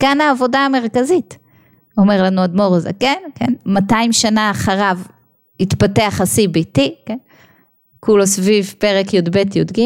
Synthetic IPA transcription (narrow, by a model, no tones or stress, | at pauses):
kanaːvo̞daːme̞ʁkazit | o̞meʁlanuad̪moʁaza̰kenkenmataimʃanaːχaʁav | it̪pateaχasibitiken | kulosvivpeʁekjod̪be̞tjod̪ɡim